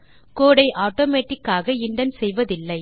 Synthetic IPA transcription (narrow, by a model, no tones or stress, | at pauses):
koːɽɐɪʔaːʈoːmeːʈːɪkːaːɣɐɪɳɖɐnsɛjʋɐðɪlːɐɪ